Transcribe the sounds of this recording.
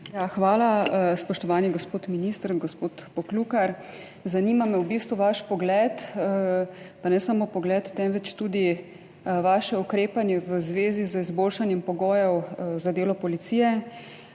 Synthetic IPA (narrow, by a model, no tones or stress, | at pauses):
jaxʋaːlaspɔʃt̪ɔʋaːniɡɔspoːt̪minist̪əɾɡɔspoːt̪pɔkluːkaɾ | zaniːmamɛwbist̪ʋuʋaʃpɔɡlɛt̪ | panɛsamopɔɡlɛːt̪ːɛnʋɛt͡ʃt̪uːd̪i | ʋaːʃɛukɾeːpanjɛʋəzʋeːzizəizboːlʃanjɛmpɔɡɔːjɛwzad̪eːlɔpɔlit̪sijɛ